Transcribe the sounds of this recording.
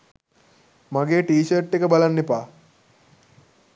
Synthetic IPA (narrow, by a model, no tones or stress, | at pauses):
maɡeːʈiːʃərʈːekəbalanːepaː